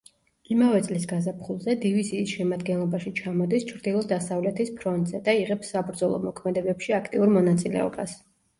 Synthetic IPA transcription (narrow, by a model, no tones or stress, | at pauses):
imavɛt̪sʼlisɡazapʰχulˠzɛd̪iviziːsʃɛmad̪ɡɛnlˠɔbaʃit͡ʃʰamɔd̪ist͡ʃʰɾd̪ilˠɔd̪asavlɛt̪ʰispʰɾɔnt̪ʼzɛd̪aiʁɛpsːabɾd̪zɔlˠɔ̰mɔkʰmɛd̪ɛbɛpʃiakʰt̪ʼiuɾmɔnat̪sʼilɛ̰ɔ̰bas